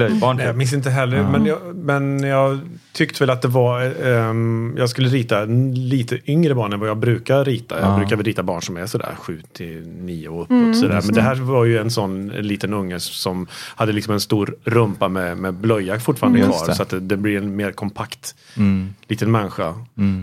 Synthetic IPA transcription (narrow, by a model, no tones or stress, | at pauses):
lœjbɑjɑmɪns̬ɪnt̪əɦɛlːəɾmɛnjɑmɛnjɑːɡ | t̪ʰʏkt̪əvɛlat̪̚d̪ɛva | jɑːɡskɵlːəɾiːt̪aliːt̪ʰəʔʏŋɾəbɑːɳɛnvajɑːɡbɾʉ̟ːkaɾɾiːt̪a̰jɑːɡbɾʉ̟kaɾvɛlɾiːt̪abɑːɳʂɔmæsɔd̪æ̰ːɾɧʉ̟ːt̪ʰɪniːʊɵpːɔt̪sɔd̪æ̰ːɾmɛnd̪ɛɦæːɾvaɾjɵɛnsɔnːɛ̰nliːt̪ənɵŋːəsɔmhad̪ːəlɪksɔmɛnst̪uːɾɾɵmpamɛmɛblœjːafʊʈfɑːɾand̪əjvɑ̰ɾsɔat̪d̪ɛd̪ɛblɪɛnmeːɾkʰɔmpʰakt̪ | liːt̪ənmɛnːɪɧa̰